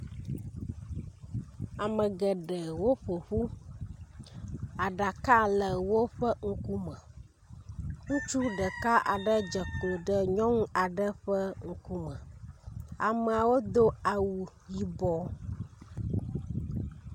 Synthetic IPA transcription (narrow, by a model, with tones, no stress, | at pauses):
a˨mə˨ɡə˨ɖə˨wo˦ɸo˨ɸu˦ | a˨ɖa˨ka˦lə˨wo˦ɸə˦ŋ̩˦ku˦mə̃˨ | ŋũ˦t͡ʃu˦ɖə˨ka˦ʔa˨ɖə˦d͡ʒə˨klo˨ɖə˦ɲɔ̃˦ŋ˦a˨ɖə˦ɸə˦ŋ̩˦ku˦mə̃˨ | a˨mə˨a˨wo˦d̪o˦a˨wu˨ | ji˨bɔ˦